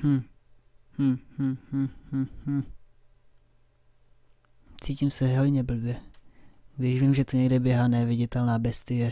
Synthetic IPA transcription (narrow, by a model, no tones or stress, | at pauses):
hm̩ | hm̩hm̩hm̩hm̩ːh̩ | t͡siːcimsɛɦod̪ɲɛbl̩bjɛ | vɛʒvimʒɛt̪oɲɛɡdɛbjɛɦaːnɛvɪɟɛt̪ɛlnaːbɛst̪ɪjɛ